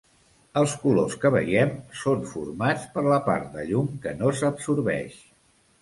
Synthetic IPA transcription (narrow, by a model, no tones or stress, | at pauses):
əlˠskuloskəβə̰jɛmsoɱfuɾmat͡spəɾləpa̰ɾt̪̚d̪ə̰ʎumkənosəpsuɾβɛ̰ʃ